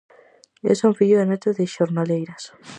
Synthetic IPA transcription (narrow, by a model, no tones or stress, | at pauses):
ḛsoŋfiʎoðenot̪eðeʃoɾnalejɾas